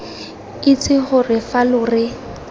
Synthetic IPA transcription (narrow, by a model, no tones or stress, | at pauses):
it͡sʰʼɪχʊrɪfalʊːrɪ